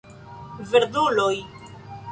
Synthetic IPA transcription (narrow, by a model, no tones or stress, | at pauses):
veɾd̪uloj